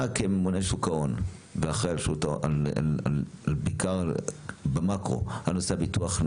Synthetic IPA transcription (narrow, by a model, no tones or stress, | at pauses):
akememunejʃukaon | veaχʁejalʃutaoaalalbikaʁ | bemakʁo̰hanoseabit̪uaχ